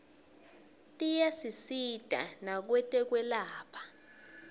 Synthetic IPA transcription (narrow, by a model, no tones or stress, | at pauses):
tʼijasisid̥ʱa̰nak̬wɛtʼɛk̬wɛlaːpʰḁ